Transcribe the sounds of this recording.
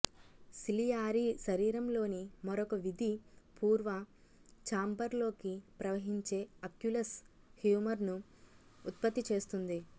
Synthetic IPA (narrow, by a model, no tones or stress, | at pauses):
silijaːɾiʃɐɾiːɾɐmlo̞ːnimɐɾɔkɐʋid̪ʱipuːɾʋɐ | t͡ʃaːmbɐɾlo̞ːkipɾɐʋɐɦiɲt͡ʃe̞ːɐkjulɐs | hjuːmɐɾnuː | t̪̚pɐt̪ːit͡ʃe̞ːst̪und̪i